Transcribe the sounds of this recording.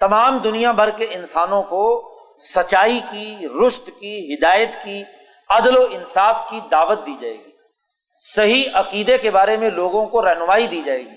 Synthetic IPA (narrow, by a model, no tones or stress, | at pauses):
t̪ɐmaːmd̪ʊnijabʱɐɾkeɪnsaːnõko | sɐt͡ʃːaːikiɾʊʃt̪kiɦɪd̪aːjət̪ki | ɐd̪loɪnsaːfkid̪aːʋət̪̚d̪iːd͡ʒa̰ːḛːɡiː | sɐɦiʔɐqiːd̪ekebaːɾemẽloːɡõkoɾɐɦnʊmaːid̪iːd͡ʒaːeːɡiː